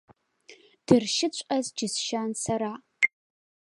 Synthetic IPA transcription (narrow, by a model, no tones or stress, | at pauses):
d̥ɨrʃɪt͡ɕʷʼɐzd͡ʒɪsʃansaɾaː